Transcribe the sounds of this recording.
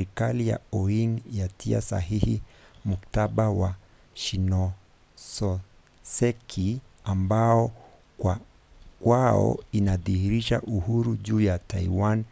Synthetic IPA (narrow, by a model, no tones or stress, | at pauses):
ɾikalija̰ɔiŋjatʰia̰sa̰hihimuktaɓawa | ʃinɔ | sɔ | sɛkʰi | ambaɔ | kwa | kwaɔ̰inaðihiɾiʃaʔuhuɾuʄuːjataiwan